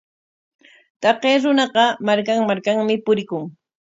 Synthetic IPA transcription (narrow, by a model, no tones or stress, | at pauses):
t̪ɑqeːɾʊnɑɢɑmaɾkaŋmaɾkaŋmɪpʊɾɪkʊŋ